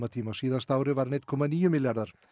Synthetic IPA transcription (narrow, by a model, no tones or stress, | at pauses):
mat̪ʰimasiðast̪awɾəʋaɾnet̪̚kʰɔmaniːəmiljaɾðəɾ